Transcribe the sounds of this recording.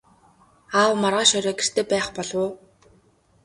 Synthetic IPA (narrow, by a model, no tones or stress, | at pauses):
aːwmarʁaːʃɔɾʲɔːɡer̥t̪ʰeːpæːχpɔɮʊː